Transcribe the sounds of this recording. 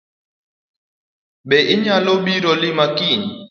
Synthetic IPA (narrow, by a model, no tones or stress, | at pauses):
ɓɛʔiɲaloɓiɾɔlimakin